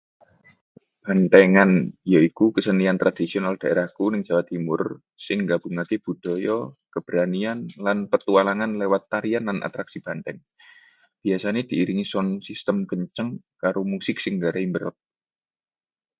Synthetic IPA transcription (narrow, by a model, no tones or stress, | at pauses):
b̥ant̪ɛŋanjaikukəsəniant̪ɾʔad̪̥isiɔnald̪̥a̤ʔḛɾahkunɪŋd͡ʒ̥awat̪ːimʊ̰r | sɪŋɡab̥ṳŋakeb̥ṳd̪̥ɔ̤jɔkəb̥əɾanianlanpət̪ualaŋanlewat̪ːaɾianlanʔa̰t̪ɾaksib̥a̤nt̪ɛŋ | b̥iasaned̪̥i̤ːɾiŋisɔnsist̪əmkəɲt͡ʃəŋkaɾomusɪk̚sɪŋɡaɾaimbəɾɔ̰t̪̚